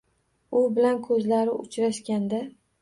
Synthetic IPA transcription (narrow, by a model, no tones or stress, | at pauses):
ʊbɪlankʰɵzlaɾɪʊt͡ʃɾaʃkʲand̪a